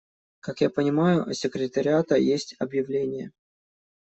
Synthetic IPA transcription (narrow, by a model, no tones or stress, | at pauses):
kakjapənʲɪmajʊsʲɪkɾʲɪt̪əɾʲɪat̪əjesʲtʲɐbjɪvlʲenʲɪjə̰